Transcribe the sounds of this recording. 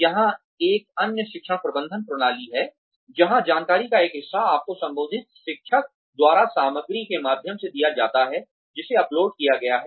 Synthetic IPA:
jɐɦã | eːk̚ɐnjəʃɪkʃəɽ̃pɾɐbə̃nd̪ʱənpɾʊɽ̃aːliɦɛː | d͡ʒɐɦãd͡ʒaːnkaːɾikaeːkɦɪsːaaːp̚kosɐ̃mbənːd̪ʱɪt̪̚ʃɪkʃək̚ | d̪waːɾasaːməɡɾikemaːd̪ʱjəmsed̪ijad͡ʒa̰ːt̪aɦɛ | d͡ʒɪseɐploːɖ̚kijaɡɐjaɦɛː

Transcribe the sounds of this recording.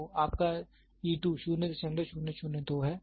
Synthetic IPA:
aːp̚ka | iːʈuːʃuːnet̪t͡ʃɐ̃nd̪əʃuːneʃuːned̪oːɦɛː

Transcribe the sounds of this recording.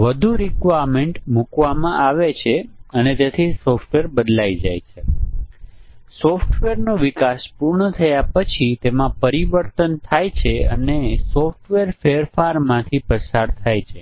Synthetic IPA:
ʋəd̪ʱuɾikʋaɾmeɳʈmukʋamãʔaʋet͡ʃʰeənet̪et̪ʰisɔfʈʋeɾbəd̪laid͡ʒajt͡ʃʰe | sɔfʈʋeɾnõʋikaspuɾɳət̪ʰəjapət͡ʃʰit̪emãpəɾiʋəɾt̪ənt̪ʰajt͡ʃʰeə̰nesɔfʈʋeɾfeəɾfaɾmãt̪ʰipəsaɾt̪ʰajt͡ʃʰe

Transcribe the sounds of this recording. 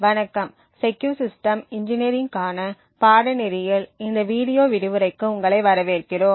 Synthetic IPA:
ʋɐnɐkːɐm | sɛkːjuːsɪsʈɐmɪɲd͡ʒɪneɾɪŋkaːnɐ | paːɽɐnɪɾɪjɪlɪnd̪ɐʋiːɽɪjoːʋɪɾɯʋɯɾɐɪkːɯʊŋɡɐɭɐɪʋɐɾɐʋeːrkɪroːm

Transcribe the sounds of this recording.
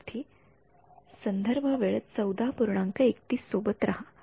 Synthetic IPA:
t̪ʰiː | sənd̪ʱəɾbʱəʋeɭət̪̚t͡səwd̪apuɾɳaŋkəekt̪iːsːobət̪ɾaɦa

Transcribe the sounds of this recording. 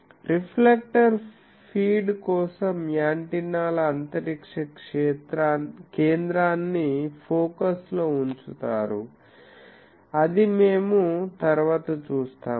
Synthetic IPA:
ɾipʰlek̚ʈɐɾ | pʰiːɖkɔːsɐmjaːɳʈinaːlɐːnt̪ɐɾikʂɐkʂeːt̪ɾankeːnd̪ɾaːnːipʰoːkɐsloːuɲt͡ʃut̪a̰ːɾṵ | ɐd̪ime̞ːmut̪ɐɾuʋaːt̪ɐt͡ʃuːst̪aːm

